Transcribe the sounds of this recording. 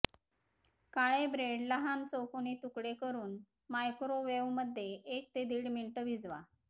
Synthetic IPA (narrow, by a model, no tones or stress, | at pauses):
kaɭebɾeɽlaɦant͡sokonit̪ukɽekəɾuːn | majkɾoʋeʋməd̪ʱːjeʔːk̚t̪ed̪iːɽmiɳʈəʋid͡zʋa̰